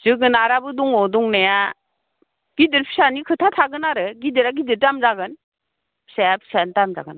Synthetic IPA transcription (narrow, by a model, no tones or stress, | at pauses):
zɯɡɯnaɾabɯduŋɔduŋnaja | ɡ̥idɯɾpʰi̥sanikʰɯtʰatʰaɡɯnaɾɯɡidɯɾaɡidɯɾtamzaɡɯn | pʰi̥sajapʰi̥santamza̰ɡɯn